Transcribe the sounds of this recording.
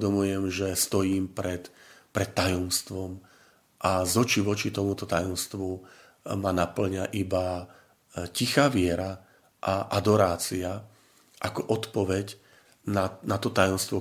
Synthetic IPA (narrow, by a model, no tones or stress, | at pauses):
d̪ɔmujɛmʒɛst̪ɔjiːmpɾɛt̪pɾɛt̪ːajɔmst̪ʋɔm | ʔazɔt͡ʃiʋɔt͡ʃit̪ɔmut̪ɔt̪ajɔmst̪ʋu | manapl̩ɲaʔiba | cixaːʋɪɛɾa | ʔaʔad̪ɔɾaːt͡sia | ʔakɔʔɔt̪pɔʋɛɟ | nanat̪ɔt̪ajɔmst̪ʋɔ